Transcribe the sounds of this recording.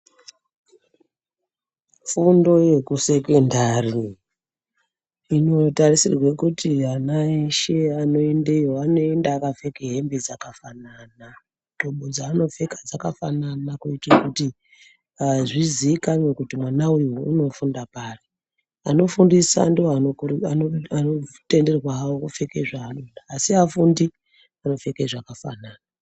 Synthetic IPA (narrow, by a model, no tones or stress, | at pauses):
fundo̞je̞kuse̞kendari | ino̞tarisirwekutʰianaiʃeano̞endeoano̞endaːkave̞keɦembed͡zakafanana | d̥ʱoɓod͡zaːno̞ve̞kad͡zakafananakuitakuti | aʐiziːkaɲwekutimwanaujiwouno̞fundapaːre | ano̞fundisa̰ndiwoaoanoanote̞nderrwaɦawokufekeʐaːnonaːsiafundi | ano̞fe̞keʐakafa̰naːna